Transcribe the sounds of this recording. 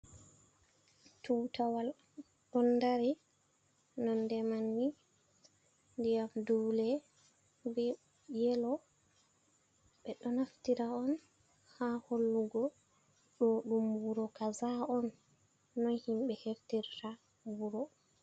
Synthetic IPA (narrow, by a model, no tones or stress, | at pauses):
tuːtawal | ɗɔndaɾi | nɔndɛmanːi | ndijamdulɛ | bɛ | jɛlɔ | ɓɛɗɔnaftiɾaɔn | haholːuɡɔ | ɗɔɗumbuɾɔkazaɔnː | ɔnhimɓɛheftiɾta | buɾɔ